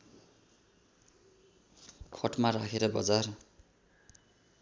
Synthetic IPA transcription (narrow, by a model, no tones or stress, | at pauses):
kʰʌʈmaɾakʰeɾʌbʌ̰d͡zar